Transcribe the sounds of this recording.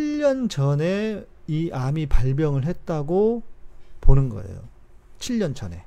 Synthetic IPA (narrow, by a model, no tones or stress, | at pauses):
t͡ɕʰiʎːʌnt͡ɕʌne̞ | iʔamipaɭbjʌŋɯɭɦe̞t̚t͈aɡo | ponɯnɡʌ̰ḛjo̰ | t͡ɕʰiʎːʌnd͡ʑʌne̞̰